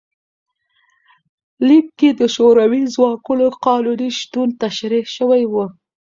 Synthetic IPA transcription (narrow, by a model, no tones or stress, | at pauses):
lik̚ked̪əʃoɾawizwɑkunoqɑluliʃt̪unt̪aʃɾihʃəwajwu